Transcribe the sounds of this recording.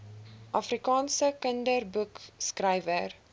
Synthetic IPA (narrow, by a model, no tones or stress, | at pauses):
ʔɑfrikɑːnsəkəndərbukskrɛjvər